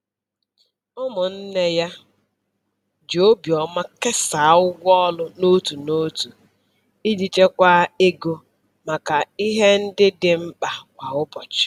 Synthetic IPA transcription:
ɔ˦mʊ˨n̩˦ne˦ja˦ | d͡ʒo˦bjɔ˨ma˦kɪ˦sa˨˦ʊ˦ɡʷɔ˦lʊ˦no˦tu˨no˦tu˨ | i˦d͡ʒi˨t͡ʃe˦kʷa˦e˦ɡo˦ | ma˨ka˨i˦ɦe˦n̩˦dɪ˦dɪ˦m̩˦k͡pa˨kʷa˨ɦʊ˦bɔ˨t͡ʃɪ̥˨

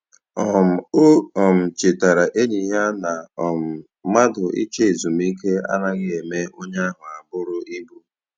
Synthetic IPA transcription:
ɔ˨m̩˨o˦ɔ˨m̩˨t͡ʃɪ˨ta˨ɾa˨ʔe˦ɲi˨ɦa˦na˨ɔ˨m̩˨ | ma˦dʊ˨ʔḭ˦t͡ʃe˦e˨zu˨m̩˦i˦ke˦a̰˦na˦ɣɪ˦e˨me˦o˦ɲa˦a˦ɦʊ˨a˨bʊ˦ɾʊ˦ʔi˦bu˦

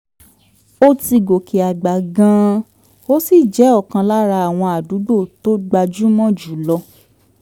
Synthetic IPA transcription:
o˦ti˧ɡo˨ke˨a˨ɡ͡ba˨ɡã˦ | o˦si˦˨d͡ʒɛ˨˦ɔ˦˨kã˧la˦ɾa˧a˨w̃ɔ̃˧a˨du˨˦ɡ͡bo˦˨to˦ɡ͡ba˧d͡ʒu˦mɔ̃˦d͡ʒu˨˦lɔ˧

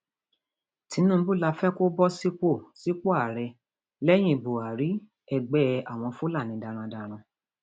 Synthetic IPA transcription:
ti˨˧˦nũ˦bu˦˨la˧fɛ˦ko˦bɔ˦si˦k͡po˦˨si˦k͡po˦a˨ɾɛ˧ | lɛ˦j̃ĩ˦˨bo˨a˨ɾi˨˦ | ɛ˧˨ɡ͡bɛ˦a˨w̃ɔ̃˧fu˦la˦˨nĩ˨˧˦da˧ɾ̃ã˧da˧ɾ̃ã˧

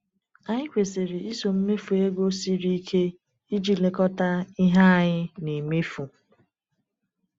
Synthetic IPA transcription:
a˦ɲɪ˦kʷe˨se˨ɾɪ˨i˦so˨m̩˦me˦fu˨e˦ɡo˦si˦ɾi˦kʰe˦ | i˦d͡ʒi˦le˨kɔ˦ta˦ɪ˦ɦa˦˨ɲɪ˦ne˨me˦fu˨

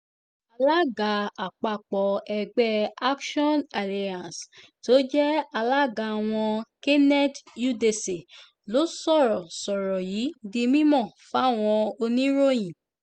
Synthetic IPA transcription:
a˧la˦ɡa˨˦a˨k͡pa˧˨k͡pɔ˨˦ɛ˧ɡ͡bɛ˦a˦kʃɔ˦na˨la˧˨ã˨s | to˦d͡ʒɛ˦a˧la˦ɡa˧˨w̃ɔ̃˧ke˦nɛ˦tju˦de˨se˨ | lo˨˦sɔ˦˨ɾɔ˨sɔ˨ɾɔ˨ji˨˦di˧mĩ˦mɔ̃˦˨fa˦˨w̃ɔ̃˧o˧nĩ˦ɾo˦j̃ĩ˨

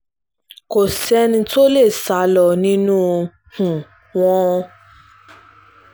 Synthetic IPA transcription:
ko˨sɛ˧˦nĩ˧to˦le˦˨sa˨˦lɔ˧˨nĩ˦nũ˦˧ | hũ˨ | w̃ɔ̃˦˧

